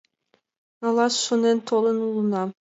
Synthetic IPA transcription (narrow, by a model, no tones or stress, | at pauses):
ɑlˠɑsʃunent̪ʰolˠɯnulˠunɑ